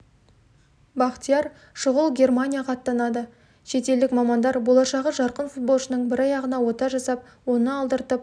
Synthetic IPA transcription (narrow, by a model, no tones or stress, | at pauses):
bɑqt̪ijɑɾ | ʃʊʁəlˠɡʲe̞rmanʲijaqʰɑt̪ːɑnɑd̪ə | ʃe̞t̪e̞ld̪ɪkmɑmɑnd̪ɑɾbo̞lˠɑʃɑʁəʒɑɾqənfut̪̚bo̞lˠʃənəɴbɪɾɑjɑʁənɑwo̞t̪ɑʒɑsɑp̚ | wo̞nəɑlˠd̪əɾt̪əp̚